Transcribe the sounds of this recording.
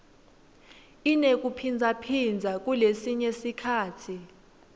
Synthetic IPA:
inek̬ʼupʰind͡zʱapʰind͡zʱak̬ʼulesiɲesikʰaːtʰi

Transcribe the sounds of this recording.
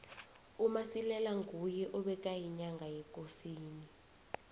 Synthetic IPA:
umasilɛlaŋɡʱujɛʔɔɓɛk̬ʼajiɲaŋɡʱajɛkʼosiːni

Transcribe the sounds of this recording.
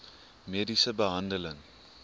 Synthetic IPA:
medisəbəɦɐndələŋ

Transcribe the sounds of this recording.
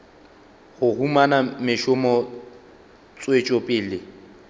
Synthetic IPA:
hʊhumanamɪʃʊmɔ | t͡sʼwet͡ʃʼɔpʼɪːlɪ

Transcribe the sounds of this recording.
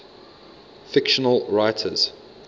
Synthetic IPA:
fɪkʃənəlɹaɪtʰə̰z̥

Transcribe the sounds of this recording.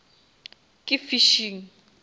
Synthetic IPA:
kʼifiʃiːŋ̩

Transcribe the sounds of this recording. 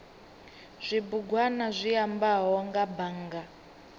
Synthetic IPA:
z̥ʷibuɡwanazʷiambaɦɔŋɡabaːŋɡa

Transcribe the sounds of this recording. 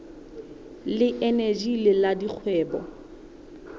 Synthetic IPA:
lɪʔened͡ʒilɪladik͡xʰwɛːbɔ̰

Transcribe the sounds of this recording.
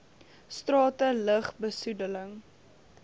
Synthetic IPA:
strɑːtələχbəsudələŋ

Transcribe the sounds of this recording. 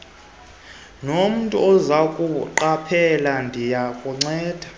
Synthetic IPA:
nom̩ntʼṵɔzakʼuǃapʰɛlandʱijakʼuŋ͡ǀɛːd̥ʱa

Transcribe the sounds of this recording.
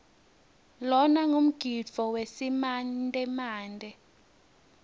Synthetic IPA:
lɔnaŋum̩ɡ̥ʱidt͡fɔwesimandʱʼɛmaːndʱɛ

